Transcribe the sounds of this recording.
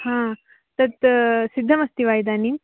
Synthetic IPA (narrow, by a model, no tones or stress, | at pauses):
hã | t̪ɐt̪sid̪ʱːɐmɐst̪iʋajd̪aːnim